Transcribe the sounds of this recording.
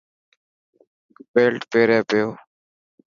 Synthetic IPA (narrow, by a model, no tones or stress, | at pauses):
beːlʈpeːɾeːpejoː